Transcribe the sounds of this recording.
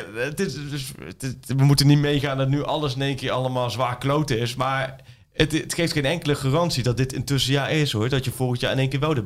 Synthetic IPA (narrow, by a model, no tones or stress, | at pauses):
tɪdsʋəmutənitmejɣaːndɑtnyʔɑləs̬ɪnejnkɪːɹɑləmaːlˠzʋaːɹklowtɪsmaːɹ | əttxejftxejnɛŋkələχaːrɑnsidɑt̚dɪtɪntɵsəjaːɹɪsɦʊɹdɔtjəvɔlˠxəntjaːɹɪnejnkɪːɹʋɛlˠdə